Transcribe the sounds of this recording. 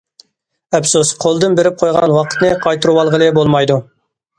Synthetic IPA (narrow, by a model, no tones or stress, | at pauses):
ɛpsosqʰolˠd̪ɨnbeɾɪp̚qʰojʁɑ̰nwɑqʰə̥t̪nɨqʰɑjt̪ɨɾuwɑlˠʁəlˠɨbolˠmɑjd̪u